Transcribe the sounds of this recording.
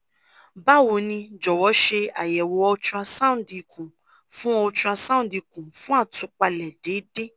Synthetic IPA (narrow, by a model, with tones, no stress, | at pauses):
ba˦˨wo˨nĩ˧d͡ʒɔ˨wɔ˨˦ʃe˧a˨jɛ˨wɔ˨˦ɔ˧t͡ʃũ˦˧a˧sã˦˨di˨kũ˨ | fũ˦ɔ˧t͡ʃũ˧a˧sã˦˨di˧kũ˨fũ˦a˦˨tũ˨˧˦k͡pa˧lɛ˨de˨˦de˦